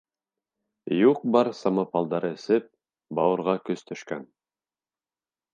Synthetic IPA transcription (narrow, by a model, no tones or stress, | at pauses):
juq̚bɑɾsɑmɑpɑlˠd̪ɑɾɤɘ̆sɘp̚ | bɑwɤ̆ɾʁɑkɵst̪ʰɵ̆ʃkæn